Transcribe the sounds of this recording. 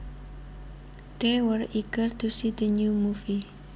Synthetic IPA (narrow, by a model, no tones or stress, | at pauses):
t̪ewəriɡərd̪̥ṳsid̪̥ə̤ɲumufi